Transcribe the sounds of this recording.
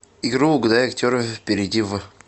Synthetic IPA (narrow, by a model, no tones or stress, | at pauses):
ɪɡɾuɡʊd̪ajɐktʲoɾəfʲfpʲɪɾʲɪdʲiv